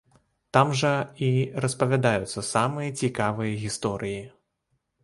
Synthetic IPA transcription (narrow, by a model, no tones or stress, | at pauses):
t̪amʐɐirɐspɐvʲad̪ajut̪sːɐsamɨjɐt͡sʲikavɨjɐɣʲist̪ɔɾʔɨji